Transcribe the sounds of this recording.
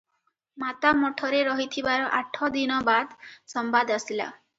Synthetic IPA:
mat̪amɔʈʰɔɾeɾɔɦit̪ʰibaɾɔʔaʈʰɔd̪inɔbad̪sɔmbad̪asila̰

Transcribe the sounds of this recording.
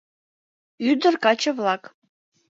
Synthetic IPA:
yd̪ə̆rkɑt͡ɕə̆vlˠɑk

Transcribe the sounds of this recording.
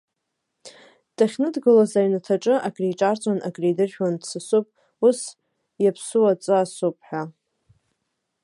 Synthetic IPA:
d̥ʰaχʲnɨdɡɨlazajnatʰaʈ͡ʂʼɨʔakʼrijʈ͡ʂʼart͡sʼwana̰kʼrijdɨrʒᶣwandsɨsupʼ | us | japʰsuwat͡sʼɨasupʼħʷᶣa

